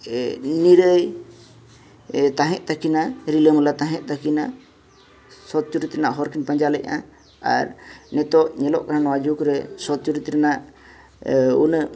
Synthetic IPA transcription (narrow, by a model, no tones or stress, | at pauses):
niɾəj | t̪aɦɛ̃ʔ̚t̪akinaɾiləmlat̪ãɦɛ̃ʔ̪̚t̪akina | sɔt̪̚t͡ʃuɾit̪ɾɛnaʔɦɔɾkinpəɲd͡ʒalɛʔ̚a̰ | a̰ɾnɛt̪ɔʔɲɛlɔ̰ʔkaɾanɔwad͡ʒukɾɛsɔt̪̚t͡ʃuɾit̪ɾnaʔ | un